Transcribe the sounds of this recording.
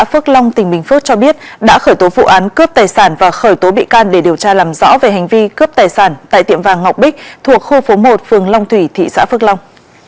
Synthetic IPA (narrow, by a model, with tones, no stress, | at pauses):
a̰ː˧˥fɨ˦˥k̚la˧wŋ͡mt̪ï˨˩ŋ̟ɓï˨˩ŋ̟fɨ˦˥k̚t͡ɕɔ˧ɓi˦˥ət̚ɗa̰ː˧˥xəː˧˩jt̪o˨˦vṵ˧˨ʔaː˨˦nkə˦˥p̚t̪aː˨˩jsaː˧˩nvaː˨˩xəː˧˩jt̪o˨˦ɓḭ˧˨kaː˧nɗe˧˩ɗi˨˩əwt͡ɕaː˧laː˨˩mzɔ̰˧˥ve˨˩ɦa˨˩jŋ̟vi˧kə˦˥p̚t̪aː˨˩jsaː˧˩nt̪a̰ː˧˨jt̪ḭ˧˨əmvaː˨˩ŋːa˨˩wk͡p̚ɓï˦˥k̟̚t̪ʰu˨˩ək̚xo˧fo˨˦mo˨˩t̚fɨ˨˩əŋla˧wŋ͡mt̪ʰwi˧˩t̪ʰḭ˧˨sa̰ː˧˥fɨ˦˥k̚la˧wŋ͡m